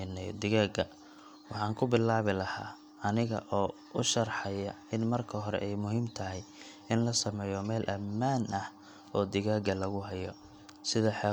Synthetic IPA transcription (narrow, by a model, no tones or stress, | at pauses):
nɛd̪ɪɣaːɡɐ | wɑħɑːŋkʰʊbɪlːaːβɪlɐhaː | ɐnɪɣɐ̰ʔɔː | ʊʃɐrħɑjɐ | ɪnmɐrkʰɐɦɔɾɛ̰ʔɛjmʊɦiːmt̪ʰɐɦɛj | ɪnlɐsɐmɛːjɔmɛːlʔɐmːaːnʔɐh | ɔːd̪ɪɣaːɡɐlɐɣʊɦɛjɔ̰ | sɪðɐħɛ